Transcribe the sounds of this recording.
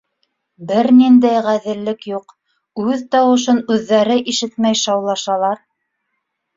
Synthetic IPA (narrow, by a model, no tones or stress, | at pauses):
bɘɾnind̪æjʁæðɘ̆lːɘkjuq | ʉðt̪ɑwɤ̆ʃ̬ɤnʉðːæɾɘʔiʃɘt̪mæjʃɑwlˠɑʃɑlˠɑɾ